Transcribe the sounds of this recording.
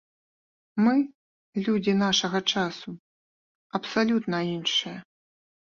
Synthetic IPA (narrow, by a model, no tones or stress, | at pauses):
mɨ | lʲud͡zʲinaʂɐɣɐt͡ʂasu | ɐpsalʲut̪nɐinʂɨjɐ